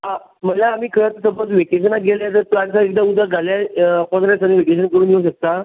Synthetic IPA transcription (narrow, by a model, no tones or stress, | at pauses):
a | m̤əlaːmiːkʰəɾat̪əsəbət͡sʋekeɕ̬ənat̪̚ɡʱeljat̪̬əɾplansaek̚d̪aud̪aɡʱaljakɔnɾesañiʋekeɕ̬ənkəɾuːnjeuɕək̚t̪a